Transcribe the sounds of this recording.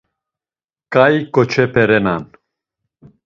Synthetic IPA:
kʼajkʼɔt͡ʃʰɛpʰɛɾɛnan

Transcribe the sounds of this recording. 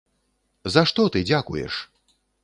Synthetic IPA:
zaʂt̪ɔt̪ɨd͡zʲakujɛ̰ʂ

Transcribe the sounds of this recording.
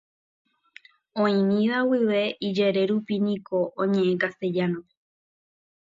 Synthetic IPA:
õĩmĩðawiʋe̞ʔid͡ʒeɾe̞ɾupinĩko̞ʔõɲẽ̞ʔẽkast̪e̞d͡ʒanõ

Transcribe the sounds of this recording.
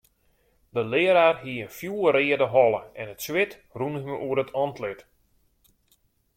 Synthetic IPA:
dəlɪːəɾaːrhiəənfjuːəɾɪːədəɦɔlˠəɛnətswɪt | runəməʔuəɾətʰɔntʰlɪt

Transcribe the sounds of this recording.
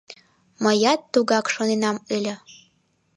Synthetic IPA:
məjɑt̪ːuɣɑkʃonenɑmilʲə̆

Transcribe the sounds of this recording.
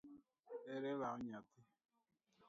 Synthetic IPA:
eɾelaɔɲatɪ

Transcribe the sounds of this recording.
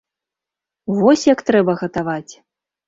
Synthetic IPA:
vɔsʲjakt̪ɾɛbɐɣɐt̪avat͡sʲ

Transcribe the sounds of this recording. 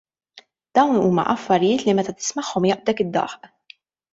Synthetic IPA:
d̪̥ɐwnuːmɐ̰ʔɐfːɐɾɪjɪːt̪limɛt̪ɐt̪ɪ̥smɐħːɔmjɐʔbd̪ɛkɪd̪ːɐ̰ħʔ

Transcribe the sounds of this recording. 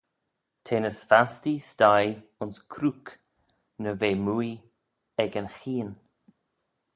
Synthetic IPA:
tʰeːnəsfastistajʊnskʰɾuk | nəveːmuj | ɛɡənxiːn

